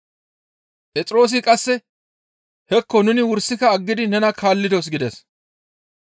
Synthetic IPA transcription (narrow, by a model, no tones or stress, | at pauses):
pʼɛt͡sʼɪɾo̞ːs̬ɪkʼɐsːɛ | hɛkːɔnʊnɪwʊɾsːɪkɐːɡːɪd̪ɪnɛnɐkʰaːlːɪd̪os̬ɡɪd̪ɛs